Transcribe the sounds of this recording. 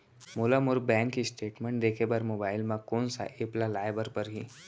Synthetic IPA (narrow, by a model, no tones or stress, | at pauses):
molamʊɾbɛ̃ːŋkːisʈeːʈmẽɳʈ̚d̪eːkʰebɐɾmoːbaːɪlmãkoːnsa̰ʔeplalaːjbəɾpɐɾɦi